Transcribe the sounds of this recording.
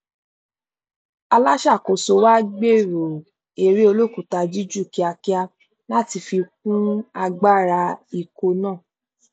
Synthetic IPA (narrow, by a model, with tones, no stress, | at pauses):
a˧la˦ʃa˦˨ko˨so˧wa˦ɡ͡be˦˨ɾo˨ | e˨ɾi˦o˧lo˦˨ku˨ta˧d͡ʒi˦d͡ʒu˦˨ki˨˦a˧ki˦a˧ | nã˦ti˧fi˧k̚ũ˦a˧ɡ͡ba˦˨ɾa˧i˧ko˧nãː˦˨